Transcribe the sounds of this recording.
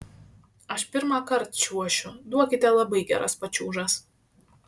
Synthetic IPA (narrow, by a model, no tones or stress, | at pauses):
ɐʃpʲɪɾmɑːkɐɾt̪ʃʲuɔʃʲʊd̪uɔkʲɪt̪ʲɛlˠɐbɐɪɡʲæ̰ːɾʔɐ̰spɐt͡ʃʲuːʒɐs